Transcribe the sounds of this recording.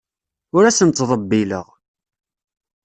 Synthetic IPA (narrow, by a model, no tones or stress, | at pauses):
ʊɾæsənt̪ːðˤəbːilə̰ʁ